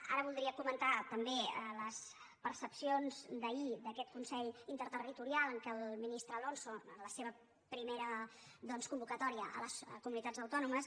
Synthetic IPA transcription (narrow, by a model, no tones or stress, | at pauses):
a̰ɾəβulˠd̪ɾiəkumənt̪at̪əmbeələs | pəɾsəpsionzd̪əid̪əkɛt̪̚kunsɛʎint̪əɾt̪ərit̪uɾialˠəŋkɛlˠminist̪ɾəːlonsoənləseβə | pɾimeɾəd̪ɔnskumbukət̪ɔɾiəʔə̰ləskumunit̪ad͡zəwt̪ɔnuməs